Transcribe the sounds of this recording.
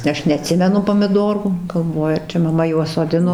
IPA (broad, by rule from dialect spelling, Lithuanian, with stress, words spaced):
ˈɐʃ nʲɛɐˈtʲsʲɪmʲɛnʊ poːmʲɪˈdoːruː ɡɐlˠˈʋoːjʊ ɐr ˈt͡ʃʲɛ mɐˈmɐ juɔs soːˈdʲɪnoː